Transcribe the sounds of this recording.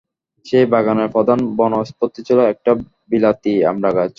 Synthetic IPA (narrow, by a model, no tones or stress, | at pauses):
ʃejbaɡaneɾpɔd̪anbɔnospot̪ːit͡ɕɔlaɛk̚ʈa | bilat̪ia̰mɾaɡat͡ɕʰ